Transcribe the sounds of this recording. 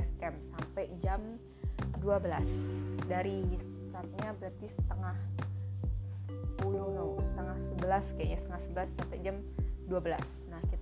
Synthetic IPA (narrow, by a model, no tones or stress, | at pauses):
ɛskɛmsampɛjd͡ʒam | duabəlasdaɾiist̪it̪at̪̚ɲabəɾat̪isə̥t̪əŋah | səpuluhnausə̥t̪əŋahsəbəlaskaja̰ʔɲasət̪əŋahsəbəlasːampad͡ʒamduabəla̰s | nahkit̪